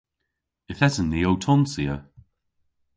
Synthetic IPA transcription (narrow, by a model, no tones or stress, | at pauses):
ɪθɛzənðiowtʰɔnsiə